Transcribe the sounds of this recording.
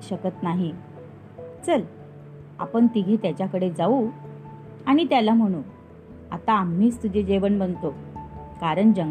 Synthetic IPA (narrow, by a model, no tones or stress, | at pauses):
ɕəkət̪naɦi | t͡səl | a̰pəɳt̪iɡʱet̪jat͡ɕjakəɽed͡zau | aɽ̃it̪jalam̤əɽ̃uːn | a̰t̪aːmːiːt͡st̪ud͡ʑʱed͡ʑeʋəɳbənt̪okaɾəɳd͡ʑəŋ